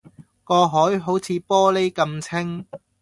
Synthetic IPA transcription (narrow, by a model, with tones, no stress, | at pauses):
kɔː˧ɦɔː˨˥jɦo˨˥wt͡sʰiː˨˧pɔː˥le˥jkɐ˧mt͡sʰɪ˥ŋ